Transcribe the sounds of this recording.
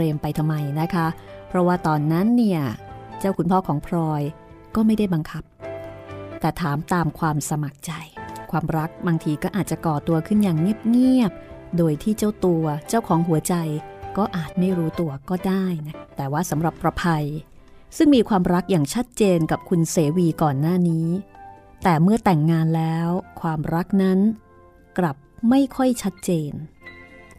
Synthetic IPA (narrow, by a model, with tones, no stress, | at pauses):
ɾeː˧mpa˧jt̪ʰa˧mːa˧jna˦˥kʰa˦˥pʰɾɔ˦˥waː˥˩t̪ɔː˧˩nːa˦˥nːi˥˩ɐt͡ɕa˥˩wkʰu˧npʰɔː˥˩kʰɔː˩˦ŋpʰɾɔː˧j | kɔː˥˩ma˥˩jda˥˩jba˧ŋkʰa˦˥p̚ | t̪ɛː˨˩t̪ʰaː˩˦mt̪aː˧mkʰwaː˧msa˧ma˨˩k̚t͡ɕa˧jkʰwaː˧mɾa˦˥k̚baː˧ŋt̪ʰiː˧kɔː˥˩ʔaː˨˩t̪̚t͡ɕa˨˩kɔː˨˩t̪u˧ɐkʰɯ˥˩njaː˨˩ŋːi˥˩əp̚ŋi˥˩əp̚doː˧jt̪ʰiː˥˩t͡ɕa˥˩wt̪u˧ɐt͡ɕa˥˩wkʰɔː˩˦ŋɦu˩˦ɐt͡ɕa˧jkɔː˥˩ʔaː˨˩t̪̚ma˥˩jɾuː˦˥t̪u˧ɐkɔː˥˩daː˥˩jna˦˥t̪ɛː˨˩waː˥˩sa˩˦mɾa˨˩pːɾa˧pʰa˧j | sɯ˥˩ŋmiː˧kʰwaː˧mɾa˦˥k̚jaː˨˩ŋt͡ɕʰa˦˥t̪̚t͡ɕeː˧nka˨˩p̚kʰu˧nseː˩˦wiː˧kɔː˨˩nːaː˥˩niː˦˥t̪ɛː˨˩mɯ˥˩ɐt̪ɛ˨˩ŋːaː˧nlɛː˦˥wkʰwaː˧mɾa˦˥k̚na˦˥n | kla˨˩p̚ma˥˩jkʰɔ˥˩jt͡ɕʰa˦˥t̪̚t͡ɕeː˧n